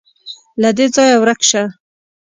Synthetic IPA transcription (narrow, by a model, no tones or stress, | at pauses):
lad̪ed͡zɑjawɾakʃa